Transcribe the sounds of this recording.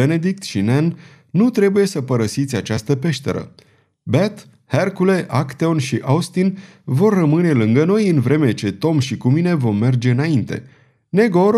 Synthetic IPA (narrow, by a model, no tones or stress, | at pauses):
ene̞d̪ik̚t̪ʃinenː | ut̪ɾe̞buje̞səpəɾəsit̪sʲat͡ʃast̪əpe̞ʃt̪e̞̰ɾə̰ | bet̪ | herkule̞ʔakt̪eonʃiʔaust̪in | vo̞rːəmɨne̞lɨŋɡəno̞jɨnvɾe̞me̞t͡ʃe̞t̪o̞mʃikumine̞vo̞mːe̞rd͡ʒe̞ɨnaint̪e̞̰ | ne̞ɡoɾ